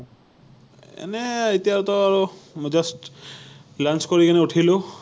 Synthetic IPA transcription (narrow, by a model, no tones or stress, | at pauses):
ɛ̰nɛitijatɔaɹumɔd͡ʒast | lanskoɹikanɛutʰilo